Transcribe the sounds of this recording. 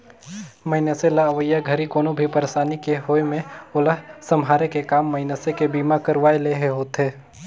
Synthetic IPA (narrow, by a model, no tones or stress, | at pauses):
məɪnəselaʋəjaɡʱəɾikoːnobʱipəɾeʃaːnikeɦoːemẽʊləɦsɐmɦaːɾekekaːmːɐɪnəsekebiːmakəɾʋaːeleːɦeɦoːt̪ɦeː